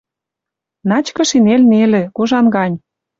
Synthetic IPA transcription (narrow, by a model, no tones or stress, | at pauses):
nɑt͡ɕkɤ̆ʃinelnelĕkoʒɑnɡɑnʲ